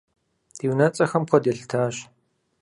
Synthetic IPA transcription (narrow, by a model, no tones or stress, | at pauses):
d̥iːwnɐt͡sʼɐxɐmkʷʰɔdeɬtʰaːɕ